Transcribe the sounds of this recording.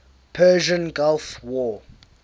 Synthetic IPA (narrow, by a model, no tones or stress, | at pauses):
pʰɛːʒə̃nɡalfwɔ